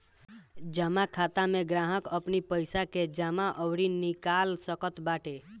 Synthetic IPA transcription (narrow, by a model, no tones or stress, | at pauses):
d͡ʒəmakʰat̪ameɡɾaɦəkəpnipəjsaked͡ʒamaʔəwɾinikalsəkət̪baʈe